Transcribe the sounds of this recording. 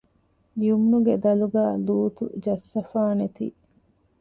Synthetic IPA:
jumːuɡed̪ɐluɡæːluːt̪ṵd͡ʒɐsːɐfaːnet̪ḭː

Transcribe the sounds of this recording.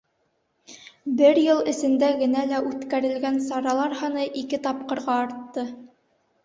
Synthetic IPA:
bɘɾjɤlˠɘ̆sɘ̆nd̪æɡɘ̆nælæʉt̪kæɾɘ̆lɡænsɑɾɑlˠɑɾhɤ̆nɤʔikɘt̪ɑp̚qɤ̆ɾʁɑɑɾt̪ːɤ

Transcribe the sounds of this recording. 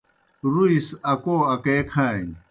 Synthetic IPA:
ɾuisɐkoːɐkeːkʰaːjĩ

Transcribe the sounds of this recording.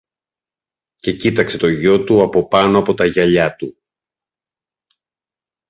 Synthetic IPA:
ce̞cit̪ɐkse̞t̪o̞ʝo̞t̪uɐpo̞pɐno̞ɐpo̞t̪ɐʝɐʎɐt̪u

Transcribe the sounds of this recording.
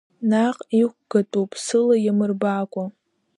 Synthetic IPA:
naqʼiχʷɡ̥ɐtʼupʼsɨlɐjɛmɨrbaːkʷʼɔ

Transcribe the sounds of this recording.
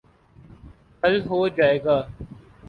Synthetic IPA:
kəlɦoːd͡ʒaːeːɡaː

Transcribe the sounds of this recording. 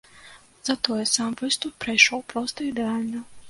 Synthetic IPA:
zɐt̪ɔjɛsamvɨst̪upːɾɐjʂɔwpɾɔst̪ɐid̪ɛalʲnɐ

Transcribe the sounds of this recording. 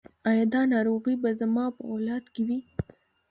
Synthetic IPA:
ɑjɑd̪ɑnɑɾoɣibazamɑpəolɑd̪kewi

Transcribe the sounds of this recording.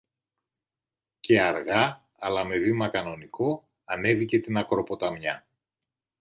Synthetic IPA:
ce̞ɐɾɣɐ | ɐlɐme̞vimɐkɐno̞niko̞ | ɐne̞vice̞t̪inɐkɾo̞po̞t̪ɐmɲɐ

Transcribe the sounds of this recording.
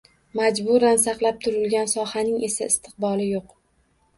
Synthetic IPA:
mad͡ʒbʊɾansaqlˠap̚t̪ʰʊɾɪlɡʲansɒhanɪŋe̞saɪst̪ʰɨ̥q̚bɒlɪjoq

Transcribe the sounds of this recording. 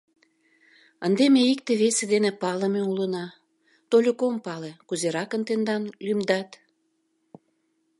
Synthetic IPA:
ənd̪emeikt̪eβesed̪enepɑləmeulənɑ | t̪olʲəkompɑlekuzeɾɑkənt̪end̪ɑnlymd̪ɑt̪

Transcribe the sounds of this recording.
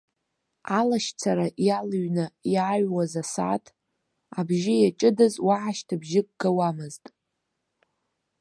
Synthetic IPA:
alaʃt͡sʰaɾaʔjalɥnajaɥwazasa̰tʰ | abʒɪjat͡ʃʼɨdazwaʕaʃtʰabʒɪkʼɡawamɨztʼ

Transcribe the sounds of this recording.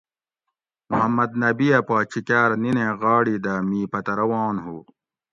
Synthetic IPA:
muɦɐmːɐd̪̚nɐbijɐpaːt͡ɕʰikaːɾninẽɣaːɽid̪amiːpɐt̪ɐɾɐwãːnɦuː

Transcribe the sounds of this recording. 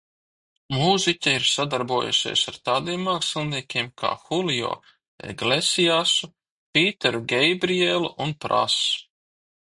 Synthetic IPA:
muzicʲaiɾsad̪aɾbuɔjṵʃʲḛsaɾt̪aːd̪iɛmːaːksilʲˠniɛkʲeɛːmkʰa̰ːxulijo̰ː | ɛ̰ɡlesijasu | pʲiːt̪ɛɾuɡʲejbɾielˠuʔunpɾa̰s

